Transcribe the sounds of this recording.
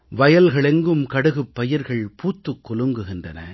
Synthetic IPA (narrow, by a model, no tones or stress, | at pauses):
ʋɐjɐlɣɐɭɛŋɡɯmkɐɽɯɣɯpːɐjɪɾɣɐɭpuːt̪ːɯkːɔlɯŋɡɯɣɪndrɐnɐ̰